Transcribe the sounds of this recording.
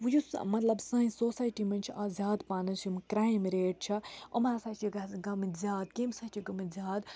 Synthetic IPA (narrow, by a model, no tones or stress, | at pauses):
ʋujusmɐt̪lɐbsɐ̃ːĩsoːsaːjʈimɐnʲt͡ʃʰaːzʲjaːd̪paːnɐsumkɾaːimɾeːʈ̚t͡ʃʰɐɐ̰mɾasaːt͡ʃʰiɡɐɡɐmizʲjaːd̪kiːmsat͡ʃʰiɡɐmizʲjaːd̪